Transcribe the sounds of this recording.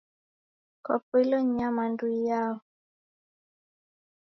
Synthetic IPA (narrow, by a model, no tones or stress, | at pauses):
kɔpwilɔɲamanduijaɔ